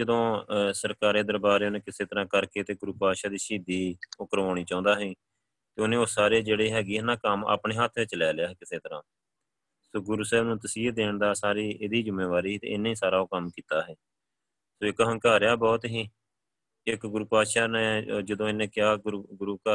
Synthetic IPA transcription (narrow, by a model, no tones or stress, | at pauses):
d͡ʒəd̪õːsəɾkaːɾeːd̪əɾbaːɾeːoːnẽːkɪseːt̪əɾãːkəɾkeːt̪eːɡʊɾuːpaːʃaːd̪iːʃiːd̪iːʊkəɾʋãːɽ̃iːt͡ʃãːʊ̃nd̪aːɦiː | t̪eːʊnẽːoːsaːɾeːd͡ʒeːɽeːɦɛːɡiːɪnãːkəma̰ːpɳeːɦat̪ʰʋɪt͡ʃlɛːlɪjaːɦɛːkɪseːt̪əɾãː | soːɡʊɾuːsɛːbnũːt̪əsiːəd̪eːɳd̪aːsaːɾiːʔɪd̪iːd͡ʒʊmːeːʋaːɾiːiːt̪ḛːɪnːiːsaːɾaːoːkəmkiːt̪aːɦɛː | soːɪkɦə̃ŋkaːɾjaːbɔːt̪ɦiː | ɪkɡʊɾuːpaːʃaːnẽːd͡ʒəd̪õːɪnẽːkɪjaːɡɡʊɾuːka